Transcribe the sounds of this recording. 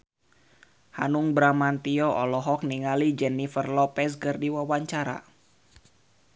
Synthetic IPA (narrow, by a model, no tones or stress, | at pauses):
ha̰nuŋbɾamant̪iɔʔɔlɔɦɔk̚niŋalid͡ʒɛnifərlɔpɛskɨrdiwawaɲt͡ʃaɾa̰